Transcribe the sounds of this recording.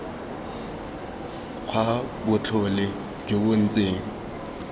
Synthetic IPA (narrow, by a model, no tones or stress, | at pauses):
k͡xʰwabʊt͡ɬʰɔlɪ | d͡ʒobʊn̩t͡sʼeːŋ̩